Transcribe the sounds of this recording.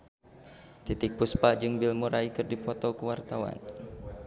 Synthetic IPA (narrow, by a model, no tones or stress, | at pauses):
t̪it̪ik̚puspad͡ʒɨŋbilmuɾaikɨrdipɔt̪ɔkəwart̪awa̰n